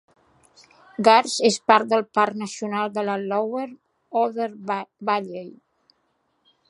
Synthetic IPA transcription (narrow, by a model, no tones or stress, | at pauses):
ɡaɾzespaɾt̪̚d̪əlˠpaɾknəsiunalˠd̪əlalɔwəɾ | ɔðəɾbaʎej